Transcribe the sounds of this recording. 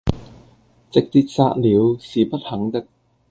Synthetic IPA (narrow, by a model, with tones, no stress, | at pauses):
t͡sɪ˨k̚t̪i˧t̚sa̰ː˧t̚liː˨˧wsiː˨pɐ˥t̚hɐ˨˥ŋt̪ɪ˥k̚